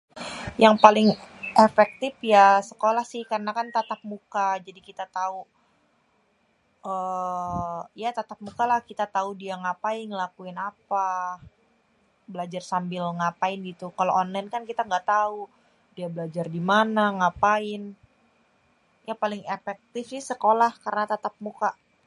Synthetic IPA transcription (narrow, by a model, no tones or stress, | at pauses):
jaŋpalɪŋʔefɛk̚t̪ɪfjasəkolahsɪhkarənakant̪at̪ap̚mukad͡ʒadikit̪at̪au | ə | jat̪at̪ap̚mukalahkit̪at̪audiaŋapaɪnŋəlakuɪnapa | bəlad͡ʒarsambɪlŋapaɪnɡit̪ukaloʔɔnlaɪnkankit̪aŋɡaʔt̪au | diabəlad͡ʒardimanaŋapaɪn | japalɪŋefɛk̚t̪ɪfsɪhsəkolahkaɾənat̪at̪ap̚muka